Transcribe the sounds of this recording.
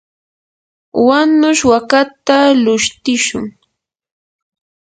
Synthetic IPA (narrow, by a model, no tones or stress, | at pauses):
wanʊʃwakat̪alʊʃt̪ɪʃʊŋ